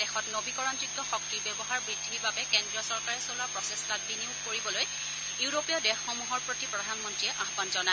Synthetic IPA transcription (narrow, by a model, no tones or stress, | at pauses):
dɛxɔtnobikɔɹantɹikjɔxɔk̚tiɹbjɔbɔɦaɹbɹidʱːibabɛkɛndɹiɔsɔɹkaɹɛsolapɹɔsestat̚biniʊkkoɹibɔloj | uʊɹopiɔdɛxːɔmuɦɔɹpɹotipɹɔdʱanmɔntɹijɛʔaxbɔnzɔna